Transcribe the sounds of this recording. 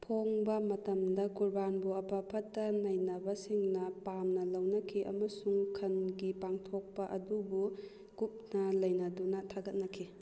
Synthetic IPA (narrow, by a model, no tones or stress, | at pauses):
pʰoŋbɐmɐtɐmdɐkuɾbanbuɐpʰapʰɐtːɐnɐjnɐbɐsiŋnɐpamnɐlɐwnɐkʰiʔɐ̰mɐsuŋkʰɐnɡipaŋtʰok̚pɐʔɐdubu | ɡup̚nɐlɐjnɐdunɐtʰaɡɐt̚nɐkʰi